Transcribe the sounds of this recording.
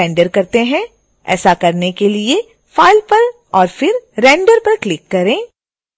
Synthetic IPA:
ɛ̃ːɳɖəɾkɐɾt̪eɦɛ̃ | ɛ̰ːsakɐɾnekelie | faːɪlpɐɾ | ɔːɾfɪɾɾɛ̃ːɳɖəɾpɐɾklɪkːɐɾẽː

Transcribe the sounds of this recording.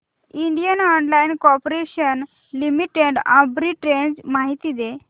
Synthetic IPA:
iɳɖijənɔɳɖlainkɔɾpɾeɕən | limiʈeɖãbɾiʈɾend͡zmaɦit̪iːd̪e

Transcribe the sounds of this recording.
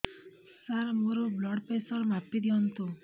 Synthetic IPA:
saɾmuɾublɔɽpesɔɾmapːid̪iɔnt̪u

